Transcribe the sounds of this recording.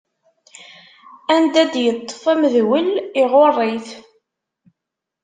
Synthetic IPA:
ænd̪æd̪jət̪ˤːə̥fæməðwəlɪʁorˤːiθ

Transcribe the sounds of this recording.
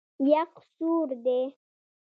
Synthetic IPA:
jaqsuɾd̪e

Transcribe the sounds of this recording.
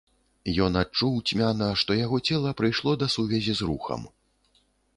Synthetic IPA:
jɔnat͡ʂuwt͡sʲmʲanɐʂt̪ɔjaɣɔt͡sʲɛlˠɐpɾɨjʂlˠɔd̪ɐsuvʲɛzʲizruxɐ̰m

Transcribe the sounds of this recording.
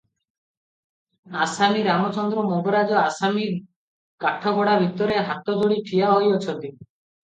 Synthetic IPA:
asamiɾamɔt͡ʃɔnd̪ɾɔmobɔɾad͡ʒɔasami | kaʈʰɔbɔɽabʱit̪ɔɾeɦat̪ɔd̪oɽiʈʰijaɦojot͡ʃʰɔnt̪i

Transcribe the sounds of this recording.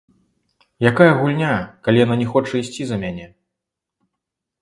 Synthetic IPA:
jakajɐɣulʲnʲakalʲijananʲɛxɔt͡ʂɐisʲt͡sʲizɐmʲanʲɛ

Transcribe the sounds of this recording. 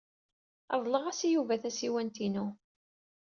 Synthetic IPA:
ɑðˤləʁæsijuvæθæsiwænt̪inu

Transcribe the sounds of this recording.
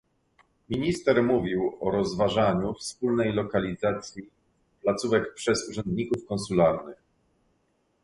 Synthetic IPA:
mʲiɲist̪ɛɾmuvʲiwɔɾɔzvaʐaɲufspulnɛjlɔkalʲizat̪sʲji | plat̪suvɛkpʂɛzuʐɛnd̪ɲikufkɔnsulaɾnɘx

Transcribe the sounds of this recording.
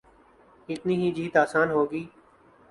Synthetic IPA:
ɪt̪niːɦiːd͡ʒiːt̪aːsaːnɦoːɡiː

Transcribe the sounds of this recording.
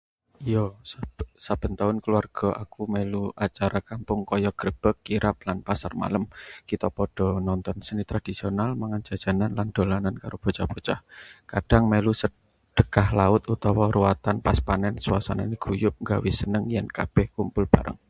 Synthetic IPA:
ijɔ | sab̥ə̤nt̪aʊnkəluarɡ̥ɔ̤ʔakumɛluat͡ʃaɾakampʊŋkɔjɔɡ̥ɾəb̥əkːiɾʔap̚lanpasarma̰ləmkit̪ɔpɔɖ̥ɔ̤nɔnt̪ɔnsənit̪ɾad̥i̤sionalmaŋand͡ʒ̥a̤d̥d͡ʒ̥a̤nanland̪̥o̤lanankaɾob̥o̤t͡ʃapot͡ʃahkad̥a̤ŋmɛlusə | ɖ̥əkahlaʊt̪ut̪ɔwɔɾuwat̪anpaspanɛnsuasa̰na̰niɡ̥ujʊp̚ŋɡawisənəŋjɛnkab̥ɛhkumpʊlb̥a̤ɾʔə̰ŋ

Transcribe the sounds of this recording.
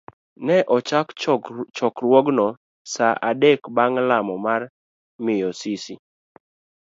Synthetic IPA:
nɛʔɔt͡ʃakt͡ʃɔkɾwɔɡnɔ | saʔadekbaŋlamɔmar | mɪjɔsisi

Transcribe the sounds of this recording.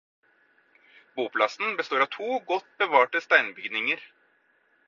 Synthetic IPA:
buːpʰlɑsn̩bəst̪oːɾɑʋt̪ʰuːɡɔt̪bəʋɑːʈəst̪æɪnbʏɡd̪nɪŋəɾ

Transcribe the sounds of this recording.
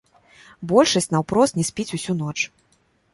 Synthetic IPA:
bɔlʲʂɐsʲt͡sʲnɐwpɾɔst̪nʲɛsʲpʲit͡sʲusʲun̪ɔt͡ʂ

